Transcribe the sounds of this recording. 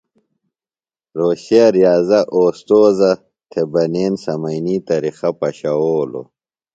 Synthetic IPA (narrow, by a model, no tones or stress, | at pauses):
ɾoːɕaɾjaːzɐʔoːst̪oːzɐ | t̪ʰebɐneːnsɐmɐjniːt̪ɐɾixɐpɐɕɐwoːlo̰